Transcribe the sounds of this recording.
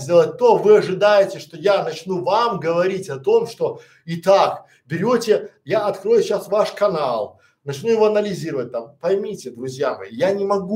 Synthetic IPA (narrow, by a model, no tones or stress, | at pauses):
zʲdʲe̞lˠət̚ʲt̪ovɨɐʐɨd̪ajɪtʲɪʂt̪ojanɐt͡ɕnuvamɡəvɐɾʲitʲɐt̪o̞mʂt̪o | ɪt̪ak | bʲɪɾʲotʲɪjaɐt̪kɾo̞jʊɕasvaʂkɐnalˠ | nɐt͡ɕnujɪvoɐnəlʲɪzʲiɾəvət̚ʲt̪ampɐjmʲitʲɪd̪ɾʊzʲjamɐ̰jijanʲɪmɐɡu